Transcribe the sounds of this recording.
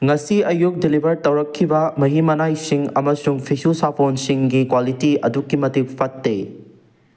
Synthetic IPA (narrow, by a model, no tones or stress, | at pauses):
ŋɐsiɐjuk̚dilibʱɐɾtɐwɾɐkʰːibɐmɐɦimɐnajsiŋɐmɐsuŋpʰisusapʰonsiŋɡikwalitiɐdukːimɐtik̚pʰɐtːe